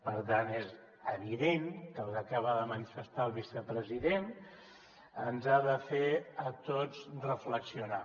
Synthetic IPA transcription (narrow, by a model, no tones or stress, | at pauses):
pəɾt̪anez | əβiðenkəlˠzəkaβaðəmənifəst̪alˠβisəpɾəziðen | ənzaðəfeət̪od͡zrəfləksiuna